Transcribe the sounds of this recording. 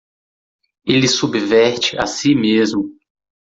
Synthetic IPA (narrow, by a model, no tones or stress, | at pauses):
elɪsubvɛɾt͡ʃɪʔa̰simezmʊ